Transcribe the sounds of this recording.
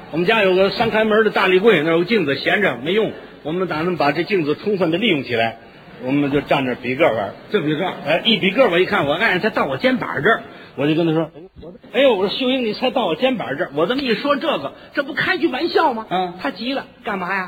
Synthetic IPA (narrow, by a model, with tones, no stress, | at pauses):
wɔ˨˩mə˦nt͡ɕja˥jo˨˩ʊɡə˧ʂa˥nkʰa˧˥ɪmə˧˥d̪ə˧t̪a˥˧li˧˥kwe˥˧ɪna˥˩jo˧ɡt͡ɕi˥˧ŋd͡zɹ̩˨˩ɕjɛ˧˥nʈ͡ʂə˨˩me˧˥ɪjʊ˥˩ŋ | wɔ˨˩mə˧˦nt̪a˨˩nə˧˥ŋpa˨˩ʈ͡ʂɤ˥˧t͡ɕi˥˩ŋd͡zɹ̩˩ʈ͡ʂʰʊ˥ŋfə˥˩nd̪ə˧li˥˧jʊ˥˩ŋt͡ɕʰi˨˩la˧˥ɪ | wɔ˨˩mə˦nt͡ɕjo˥˧ʊʈ͡ʂa˥˧˩nʈ͡ʂə˩pi˧˥kə˥˩wə̰˧˥tə˥˧˩i˧˥kə˥˧˩e˥˩ʔi˥˩pi˧˥k̬ə˥˩wɔ˧˥i˧˥kʰa˥˩nwɔ˨˩a˥˧ɻnt͡sʰɪt̪ɑ˥˩ʊwɔ˨˩t͡ɕjɛ˥npa̰˨˩ʈ͡ʂə˥˧ | wɔ˨˩t͡ɕjo˥˩kə˥nʈ͡ʂʰʂwɔ˥ | wɔ˨˩ | e˧˥ɪ˧wɔ˨˩ɕjo˥ʊi˥ŋni˨˩t͡sʰa˧˥ɪt̪ɑ˥˩ʊwɔ˨˩t͡ɕjɛ˥npa̰˨˧ʈ͡ʂə˥˧wɔ˨˩t̪ə˧˥ŋi˥˩ʂwɔ˥ʈ͡ʂɤ˥˩ɡə˩ | ʈ͡ʂɤ˥˧p̬u˥˧kʰa˥ɪt͡ɕʰy˥˩wa˧˥nɕjɑ˥˩ʊmɐ˩ə˥˧t̪ʰa˥t͡ɕi˧˥lə˧ka˥˩nma˧˥ja˧